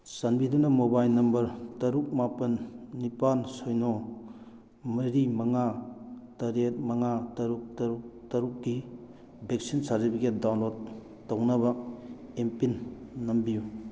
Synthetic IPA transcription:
sanbidunɐmobajnɐmbɐɾtɐɾuk̚mapɐnːipansojnɔ | mɐɾimɐŋatɐɾet̚mɐŋatɐɾuk̚tɐɾuk̚tɐɾuk̚ɡi | bʱek̚sinsaɾtipʰiket̚dawnlod | tawnɐbɐempinːɐmbiju

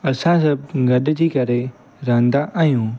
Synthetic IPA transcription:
ɐsãsɐb̚ɡɐɗd͡ʑiːkɐɾe | ɾãːnd̪aʔaːjũː

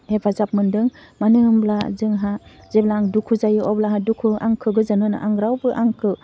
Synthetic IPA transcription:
hebʰazap̚mɯndɯŋ | manɯmblazɯŋɦa | zeblaːŋdukʰuzajɯɔblaɦadukʰua̰ŋkʰɯɡɯzanɯna̰ʔaŋɾawbɯʔaŋkʰɯ

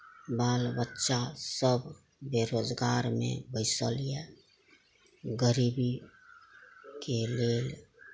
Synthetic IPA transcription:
baːlbətːʃasəb | beɾoːd͡ʒɡaːɾmḛ̃bəɪsəliɛ | ɡəɾiːbi | keleːl

